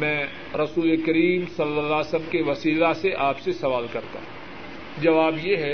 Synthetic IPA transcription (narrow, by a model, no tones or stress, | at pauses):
mɛ̃ː | ɾɐsuːlekɐɾiːmsɐlːəlːaːsəmkeʋɐsiːlaseʔaːpsesɐʋaːlkɐɾt̪a̰ɦ | d͡ʒɐʋaːbjeɦɛ